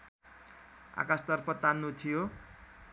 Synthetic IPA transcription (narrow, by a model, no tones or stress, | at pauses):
a̰kast̪ʌrpʌt̪anːut̪ʰijo